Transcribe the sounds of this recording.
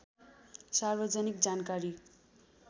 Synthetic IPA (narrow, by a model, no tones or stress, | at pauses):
sarbʌd͡zʌnik̚d͡zankaɾi